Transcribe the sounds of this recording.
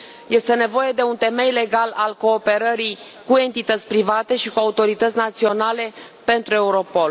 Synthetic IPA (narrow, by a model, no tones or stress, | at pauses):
je̞st̪e̞ne̞vo̞je̞d̪e̞unt̪e̞me̞jle̞ɡalalko̞ːpe̞ɾəɾi | kue̞nt̪it̪ət̪sʲpɾivat̪e̞ʃikuaut̪o̞ɾit̪ət̪sʲnat̪sio̞nale̞ | pe̞nt̪ɾue̞uɾo̞po̞l